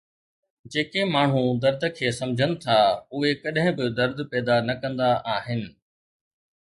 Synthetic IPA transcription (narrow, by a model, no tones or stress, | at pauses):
d͡ʑeːkemaːɳ̤ũd̪ɐɾd̪ʱəkʰeːsɐ̃md͡ʑʱənɪ̆t̪ʰaʊɦekɐɗɦɪ̃bɪd̪ɐɾd̪ʱpɛːd̪anɐkɐ̃nd̪aʔaːɦɪnɪ̆